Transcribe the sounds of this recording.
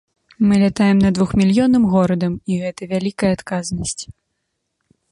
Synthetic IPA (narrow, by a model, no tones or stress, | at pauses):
mɨlʲat̪ajɛmnɐd̪vuxmʲilʲjɔnɨmɣɔɾɐd̪ɐmiɣɛt̪ɐvʲalʲikɐjɐat̪kaznɐsʲt͡sʲ